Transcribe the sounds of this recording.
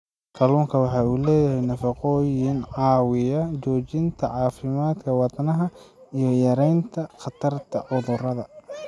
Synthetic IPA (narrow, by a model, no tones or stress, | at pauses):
kʰɐluːŋkʰɐwɑħɑːuːlɛːjɐhɛjnɐfɑqɔːjɪnʕɑːwɪjɐt͡ʃɔːt͡ʃɪnt̪ʰɐʕɑːfɪmaːd̪kʰɐwɑt̪nɐɦɐ | ijɔjɐɾɛjnt̪ʰɐqɑt̪ʰɐrt̪ʰɐʕʊðʊrɐðɐ